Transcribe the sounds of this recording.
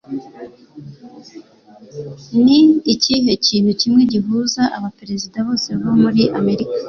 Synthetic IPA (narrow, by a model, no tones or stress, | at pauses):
niːciɦe̞ciːnucimŋe̞ɟiɦuːzaʔaβapeɾe̞zidaβo̞ːse̞βomuɾiʔame̞ɾikḁ